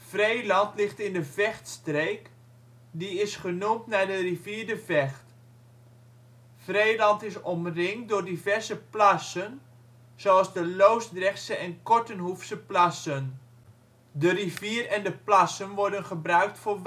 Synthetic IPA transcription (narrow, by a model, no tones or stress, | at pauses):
frejlɑntlɪχtɪndəvɛχtstrejk | diɪsχənumtnadəriviːɹdəvɛχt | frejlɑntɪsɔmrɪŋdʊːrdivɛɹzəplasən | zoɑlˠzdəlowsdrɛχsəʔɛnkɔɹtənɦufsəplɑsən | dəriviːrɛndəplɑsənʋɔɹdənχəbrœɥk̚tfʊː